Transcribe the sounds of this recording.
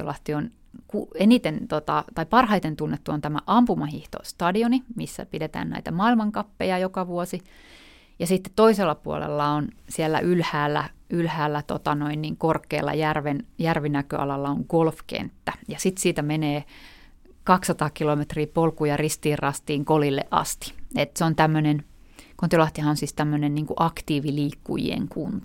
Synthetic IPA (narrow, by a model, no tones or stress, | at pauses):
o̰lɑst̪ion | kuenit̪ent̪ot̪ɑt̪ɑipɑrhɑit̪ent̪unːet̪ːuont̪æmæ̰ʔɑmpumɑhiht̪o̰st̪ɑdionimisːæ̰pidet̪æ̰ːnnæ̰it̪æmɑːilmɑŋkɑpːejɑjokɑʋuosi | jɑsit̪ːe̥t̪t̪oiselːɑpuo̰lḛlːɑonsielːæ̰ʔylhæːlːæ̰ylhæːlːæt̪o̰t̪ɑnoinniːŋkorkːˑḛːlːɑ̰jærʋenjærʋinækø̰ɑ̰lɑlːɑoŋɡ̥olfkḛnt̪ːæjɑsit̪siːt̪æmeneː | kɑksːɑt̪ɑːkilomet̪riːpolkujɑrist̪iːrrɑst̪iːŋkolilːḛʔʔɑ̰st̪i̥et̪seont̪æmːønen | kont̪olɑht̪ihɑonsiːst̪æmːønenniːŋkuʔɑkt̪iːʋiliːkːṵjḭḛŋkunt̪ɑ̥